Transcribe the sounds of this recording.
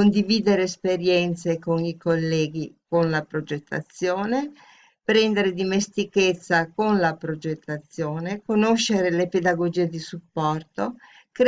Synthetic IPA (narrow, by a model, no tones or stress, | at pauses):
kond̪iviːd̪eɾeːspeɾjɛnt̪sekonikolːɛːɡikonlapɾod͡ʒet̪ʰːa̰t̪sːjoːne | pɾɛnd̪eɾed̪imest̪iket̪sːakonlapɾod͡ʒet̪ːat̪sːjoːnekonoʃːeɾeleped̪aɡod͡ʒiːed̪isupːɔrt̪o | k